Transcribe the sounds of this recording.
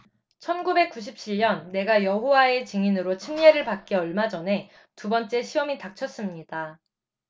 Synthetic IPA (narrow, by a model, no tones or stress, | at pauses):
t͡ɕʰʌnɡube̞k͈̚uɕ̬ʰip̚t͡ɕʰiɭɲʌnːe̞ɡajʌɦowae̞t͡ɕiŋinɯɾot͡ɕʰimɲeɾɯɭpak̚k͈eʌɭmad͡ʑʌne̞ | tubʌnt͡ɕ͈e̞ɕʰiwʌmitak̚t͡ɕʰʌs͈ɯmɲida